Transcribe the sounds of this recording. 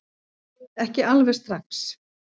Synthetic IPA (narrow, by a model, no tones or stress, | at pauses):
ɛhcɪalvɛst̪ɾaks